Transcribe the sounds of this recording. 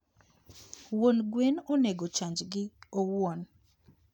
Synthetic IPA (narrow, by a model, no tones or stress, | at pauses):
wonɡwenoneɡot͡ʃaɲd͡ʒɡɪowon